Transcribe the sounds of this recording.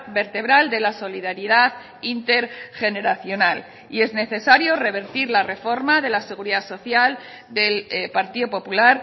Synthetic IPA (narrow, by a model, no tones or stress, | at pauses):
be̞ɾt̪e̞β̞ɾald̪e̞laso̞liðaɾiðað | int̪e̞ɾxe̞ne̞ɾaθjo̞nal | ie̞zne̞θe̞saɾjo̞re̞β̞e̞ɾt̪iɾlare̞fo̞ɾmaðe̞lase̞ɣ̞uɾiðaso̞θjal | d̪e̞lpaɾt̪iðopo̞pulaɾ